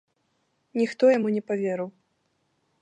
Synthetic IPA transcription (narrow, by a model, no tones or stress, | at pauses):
nʲixt̪ɔjamunʲɛpavʲeɾɨw